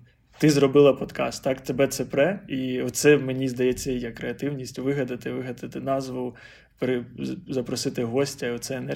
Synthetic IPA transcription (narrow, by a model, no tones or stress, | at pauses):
t̪ɪzrɔbɪlˠɐpɔd̪kɑ̰st̪ːɑkt̪ebɛt̪sɛpɾɛiɔtt̪sɛmenʲizd̪ɐjɛt͡sʲːɐjijakɾeɐt̪ɪwnʲisʲtʲʋɪɦɐd̪ɐt̪ɪʋɪɦɐd̪ɪt̪ɪnɑzʋʊ | peɾɪzɐpɾɔsɪt̪ɪɦɔsʲtʲɐiɔt̪sɛenɛ